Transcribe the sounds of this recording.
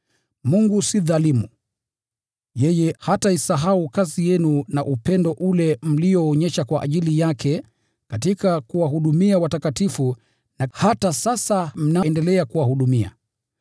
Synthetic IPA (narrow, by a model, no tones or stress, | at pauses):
muŋɡusiðalimu | jɛjɛhataisaɦaukasijɛnunaʔupɛndɔʔulɛm̩lijɔːɲɛʃakwaʔːʄilijakɛ | katikakuwaɦuɗumiawatakatifu | nahatasasam̩naɛndɛlɛakuwahuɗumia̰